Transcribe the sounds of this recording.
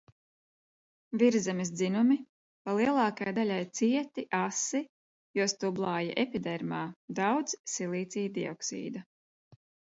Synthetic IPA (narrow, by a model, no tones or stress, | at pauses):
viɾzɛmis̬d̪zinumi | palˠiɛlˠɑːkajd̪alʲajt̪siɛt̪iʔasi | juɔst̪ublˠaːja̰ʔɛpid̪ɛɾmaːd̪awd̪z̥silˠiːt̪siːd̪iɔ̰ksḭːd̪a